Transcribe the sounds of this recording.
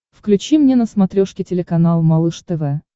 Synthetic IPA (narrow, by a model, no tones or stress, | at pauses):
fklʲʉt͡ɕimnʲenəsmɐt̪ɾʲoʂkʲɪtʲɪlʲɪkɐnalˠmɐlˠɨʂt̪ɛvɛ